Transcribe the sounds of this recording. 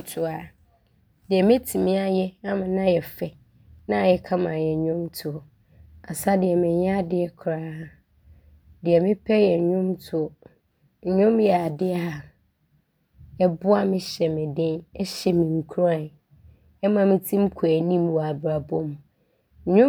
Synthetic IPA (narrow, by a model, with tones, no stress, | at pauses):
tʰʊ˨˦a˨ | dɪ˨ɛ˨mɛ̃˦tʰi˨mĩ˦a˨jɛ˦ã˦mã˨nã˦jɛ˨fɛ˨ | nã˦˨jɛ˨kʰã˦mã˨jɛ˨ɲʊ̃˦mtʰʊ˨ | a˨sa˦dɪ˨ɛ˨mɪ̃˨ɲ˦ã˦dɪ˦ɛ˨kʰɾaː˦a˦ | dɪ˨ɛ˨mɪ̃˦pʰɛ˦jɛ˨ɲʊ̃˦mtʰʊ˦˨ | ɲʊ̃˦mjɛ˨a˨dɪ˦a˦ɦa˨ | ɛ˦bʊ˦a˦mɪ̃˦ɕɛ˨mɪ̃˨dɪ̃˦nɛ˦ɕɛ˨mĩ˨ŋ̩˨kʰu˦ɾa˦˨n | ɛ˦mã˨mɪ̃˦tʰĩ˦m˦kʰu˨æ˨nĩ˦mwɔ˨a˨bɾa˨bɔ˦mũ˨˦ | ɲʊ̃˦